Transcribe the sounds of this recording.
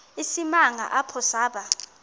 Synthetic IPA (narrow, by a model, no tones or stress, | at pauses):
isimaŋʱa̰ʔapʰɔsaːɓa